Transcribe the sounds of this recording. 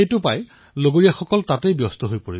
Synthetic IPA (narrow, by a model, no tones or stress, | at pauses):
ejtʊpa̰j | loɡoɹijaxɔkɔltatejbjɔstɔɦojpoɹḭb